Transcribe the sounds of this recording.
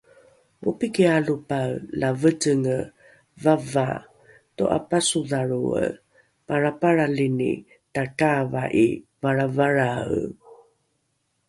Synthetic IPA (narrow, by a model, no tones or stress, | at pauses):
upikialupawlavətəŋə | vava̰ | toʔa̰pasuðaɾuə̰ | paɾapaɾalinḭ | takava̰ʔḭvaɾavaɾaw